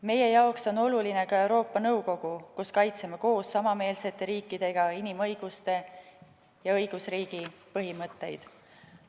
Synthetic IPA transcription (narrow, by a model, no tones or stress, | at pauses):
me̞je̞jɑokso̞no̞luline̞kɑe̞wɾo̞ːpːˑɑnɤwko̞ɡ̥ukuskɑjt̪semeko̞ːsːɑmɑme̞ːlse̞t̪ːˑe̞ɾiːkːˑid̪̥e̞ɡ̥ɑinimɤ̞jɡ̥ust̪e̞ | jɑɤjɡ̥usriːɡ̥ipɤɦimɤt̪ːe̞jd̪̥